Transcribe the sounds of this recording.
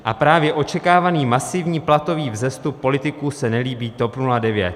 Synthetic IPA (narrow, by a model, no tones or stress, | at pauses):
ʔapɾaːvjɛʔo̞t͡ʃɛkaːvaniːmasɪvɲiːplat̪o̞viːvzɛst̪upːo̞lɪt̪ɪkuːsɛnɛliːbiːt̪o̞pnuladɛvjɛt̪̚